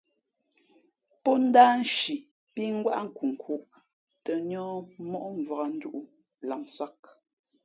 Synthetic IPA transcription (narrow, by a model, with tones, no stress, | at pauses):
pɔ˦n̩˦daː˦n̩˦ʃi˨ | pi˦ŋ̩˦ɡwa˦ʔŋ̩˨ku˨ŋ̩˨kʰu˨ʔ | tə˨ɲɔ̃ː˦mɔ˦ʔɱ˨va˨ɣa˨n̩˦du˦ʔu˦ | la˨msa˦k̚